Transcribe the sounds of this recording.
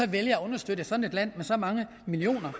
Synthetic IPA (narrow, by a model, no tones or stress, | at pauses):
ɒ̽ʋeljɐːɔ̽nɐsd̥ød̥əsɒ̽dn̩e̝d̥læn̰mesɒ̽mɑ̈ŋə | milio̝̰ːnɐ